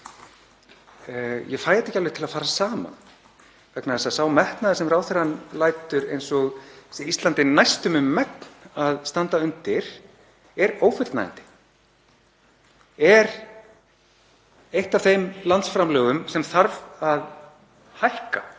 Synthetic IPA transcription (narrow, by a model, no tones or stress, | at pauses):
jɛfaːjɛt̪ːɛhcalvɪt̪ʰɪlaðfaːɾasaːma̰n | vɛknaðɛsasaːwmɛht̪naðɪsɛmrawθɛɾanlaːjt̪ʏɾḛjnsɔɣsɛist̪lant̪ɪnajst̪ʏmʏmːɛkn̥aðst̪ant̪aʏnt̪ɪɾ̥ | ɛɾoːwfɪna̰j̰nt̪ɪ̥ | ɛɾ | ejht̪av̥θejmlant̪sfɾamlœːɣʏmsɛmθaɾvað | hajhka